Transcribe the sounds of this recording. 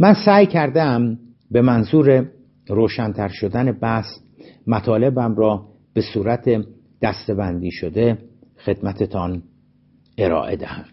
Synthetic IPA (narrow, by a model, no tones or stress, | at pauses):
mænsæːjcʰæɾd̪eæm | be̞mænzuːɾe̞ | ɾoːʃænt̪ʰæɾʃo̞d̪æne̞bæs | mæt̪ʰɒːle̞bæmrɒː | b̥e̞suːɾæt̪ʰe̞ | d̪̥æst̪e̞bænd̪iːʃod̪e̞xe̞d̪mæt̪ʰet̪ʰɒn | e̞ɾɒ̰ːʔe̞d̪æ̰hæmd̪̥